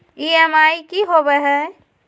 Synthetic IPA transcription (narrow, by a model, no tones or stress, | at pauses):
iɛmaːikiɦoːbeɦɛː